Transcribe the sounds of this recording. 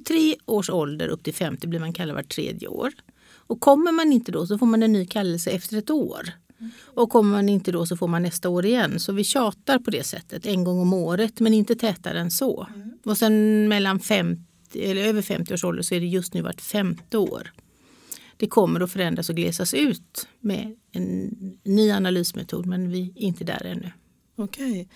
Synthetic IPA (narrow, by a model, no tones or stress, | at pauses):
t̪ʰɾeːʔoːʂɔld̪ə̰ɾʔɵ̰p̚ːt̪ʰɪlfɛmt̪ɪblɪɾmankʰalːad̪va̰ʈʰːɾḛːd̪jə̰o̰ːɾ | ɔkʰːɔmːəɾmanɪnt̪əd̪ɔsɔfoːɾmanɛnːyːkʰalːəlsəɛft̪əɾɛt̪o̰ːɾ | ɔkʰɔmːəɾmanɪnt̪əd̪ɔsɔfoːɾmanːɛst̪aoːɾɪjɛnːsɔvɪɕɑːt̪aɾpʰɔd̪ɛsɛ̰t̪ʰːət̪ɛnɡɔŋːɔmoːɾət̪mɛnɪnt̪ət̪ʰɛːt̪a̰d̪ɛnsɔ̰ɔsɛnmɛlːanfɛmt̪ | ɪɛlːəɾøːvəɾfɛ̰mt̪ɪoːʂɔld̪əʂɔæɖɛjɵst̪nʉ̟ːva̰ʈːfɛmt̪ɪo̰ːɾ | d̪̥ɛkʰɔmːəɾɔfœɾɛnd̪ɾasɔɡlḛːsasʉ̟ːt̪mɛ̰ɛnːyːanalyːsmɛ̰t̪ʰṵːd̪mɛnvɪɾɪnt̪əd̪æ̰ːɾɛ̰nːɵ | ɔkʰɛj